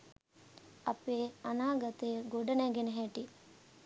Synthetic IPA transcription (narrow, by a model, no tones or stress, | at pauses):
ɐpeːɐnaːɡɐt̪əjəɡoɖɐnæɡenəɦæʈi